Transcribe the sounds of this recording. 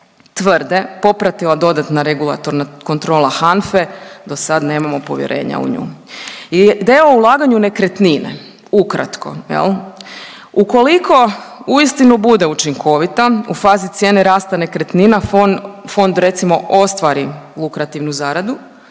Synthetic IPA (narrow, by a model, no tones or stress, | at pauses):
t̪ʋrd̪e̞po̞pɾat̪ilˠad̪o̞d̪at̪naɾeɡulˠa̰t̪oɾnako̞nt̪ɾo̞ːlˠaxanfed̪o̞sad̪ne̞ːmamo̞po̞̰ʋjḛɾʔe̞̰ːɲa̰ṵɲṵid̪eaoulˠaːɡaɲune̞kɾet̪ninḛ | ukɾa̰t̪ko̞̰jḛlˠ | uko̞likʰo̞uist̪inubud̪eut͡ʃiŋkʰo̞ʋit̪aufaːzit̪sje̞ːneɾaːst̪ane̞kɾet̪nina | fo̞nd̪ɾe̞t̪simo̞ʔo̞st̪ʋaɾilˠukɾat̪iʋnuzaːɾad̪u